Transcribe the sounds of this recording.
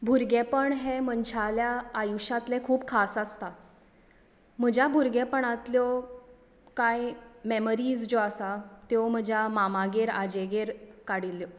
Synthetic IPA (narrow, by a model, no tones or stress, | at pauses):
bʱuɾɡɛpəɳɦɛmənt͡ɕʰaljaːjuɕat̪lɛ̃kʰuːbkʰasast̪a | m̤əd͡ʑʱjabʱuɾɡẽpəɳat̪ljɔ | kajmeməɾiːd͡zd͡ʑoasat̪jom̤əd͡ʑʱjamamaɡeɾad͡ʑeɡeɾkaɽilːjɔ